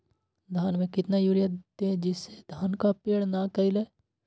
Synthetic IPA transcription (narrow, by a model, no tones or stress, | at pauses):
d̪ʱaːnmẽkɪt̪najuːɾijat̪ẽd͡ʒɪsːed̪ʱaːnkapeːɽnakɐɪleː